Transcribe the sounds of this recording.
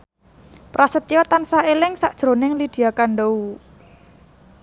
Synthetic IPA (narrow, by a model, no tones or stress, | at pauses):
pɾasət̪ijɔt̪ansaelɪŋsaʔd̥ʒ̥ɾo̤nɪŋlid̪̥i̤jakaɳɖou